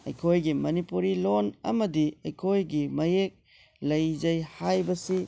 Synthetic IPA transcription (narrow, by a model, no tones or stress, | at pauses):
ɐ̰jkʰojɡimɐnipuɾilonɐ̰mɐdiɐjkʰojɡimɐjek̚ | lɐjd͡ʒɐjhajbɐsi